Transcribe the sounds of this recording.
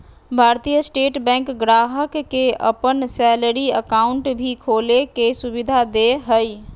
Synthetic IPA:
bʱaɾt̪ijəsʈeʈbɛ̃ŋkɡɾaɦəkːeə̰pənsɛləɾiəkauɳʈbʱikʰolekesuβid̪ʱad̪eɦəj

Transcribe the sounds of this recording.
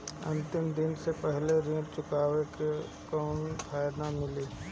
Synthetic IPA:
ɐ̰̃nt̪ɪmd̪ɪnsepɛɦleɾẽːlt͡ʃʊkaːʋeke | kɔːnpʰaːjd̪amɪliː

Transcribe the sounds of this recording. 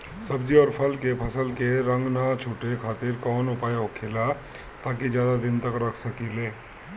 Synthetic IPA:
səbd͡ʒiɔːɾpʰəlkepʰəsəlkeɾə̃ŋɡnat͡ʃʰuːʈekʰaːt̪ɪɾkɔːnʊpaːjɦokʰela | t̪aːkid͡ʒjaːd̪ad̪ɪnt̪əkɾəkʰsəkileː

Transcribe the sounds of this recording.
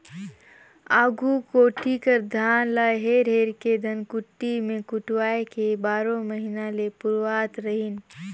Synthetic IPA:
aːɡukoːʈikəɾd̪ʱaːnlaɦeːɾɦeːɾked̪ʱənkʊʈːimẽkʊʈwaːekebaːɾõməɦinalepʊɾwaːt̪ɾəɦin

